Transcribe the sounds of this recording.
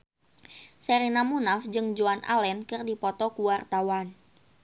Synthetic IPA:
sɛɾinamunafd͡ʒɨŋd͡ʒuanʔa̰lɛnkɨrdipɔt̪ɔkuwart̪awan

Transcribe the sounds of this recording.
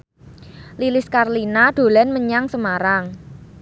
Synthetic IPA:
lilɪskarlinaɖ̪̥o̤lɛnməɲaŋsəmaɾaŋ

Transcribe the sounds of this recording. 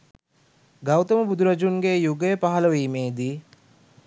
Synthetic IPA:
ɡɐwt̪ɐməbud̪ʱuɾɐd͡ʒuŋɡejuɡejpaɦɐlɐʋiːmeːd̪i

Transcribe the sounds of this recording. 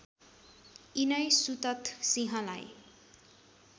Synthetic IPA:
inʌjsut̪ʌt̪siɦʌ̃la̰j

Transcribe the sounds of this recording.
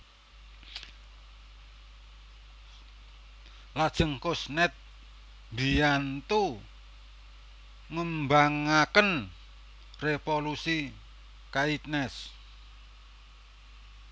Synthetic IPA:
lad̥ʒ̥ə̤ŋkʊsnɛt̪̚ | mbijant̪u | ŋəmbaŋakən | refolusi | kait̪̚nɛs

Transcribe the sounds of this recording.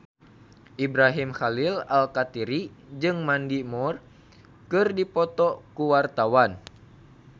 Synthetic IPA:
ʔibɾaɦimxalilalkat̪iɾid͡ʒɨŋmandimɔr | kɨrdipɔt̪ɔkuwart̪awan

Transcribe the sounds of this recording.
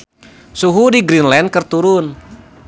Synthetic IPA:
suɦudiɡɾinlɛndkɨrt̪uɾʊn

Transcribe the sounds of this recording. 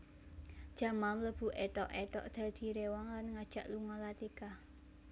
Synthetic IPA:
d̥ʒ̥a̤mamləb̥ṳʔɛt̪ɔʔɛt̪ɔ̰ʔd̪̥a̤d̪̥i̤ɾewaŋlanŋad̥ʒ̥a̤ʔluŋɔlat̪ika

